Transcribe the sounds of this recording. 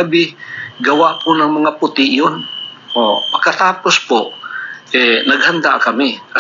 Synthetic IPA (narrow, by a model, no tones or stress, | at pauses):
ɐbɪɡɐwaʔpʊnɐŋmɐŋapʊt̪ɪʔjonʔopɐɡ̚kːɐt̪aːpospoʔʔɛnɐɡhand̪akɐmɪkɐ